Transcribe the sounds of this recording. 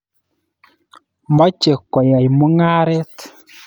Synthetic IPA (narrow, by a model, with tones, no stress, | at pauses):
mɔ˦t͡ʃe˨kːɔ˨ja˨jmo˦ŋa˦ɾɛ˦t